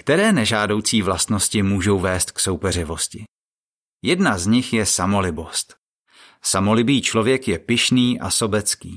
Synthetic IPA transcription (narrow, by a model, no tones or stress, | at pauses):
kt̪ɛɾɛːnɛʒaːdo̞wt͡siːvlast̪no̞scɪmuːʒo̞wvɛːst̪kso̞wpɛr̝ɪvo̞scɪ | jɛdnazɲɪxjɛsamo̞lɪbo̞st̪ | samo̞lɪbiːt͡ʃlo̞vjɛkjɛpɪʃniːʔa̰so̞bɛt͡skḭː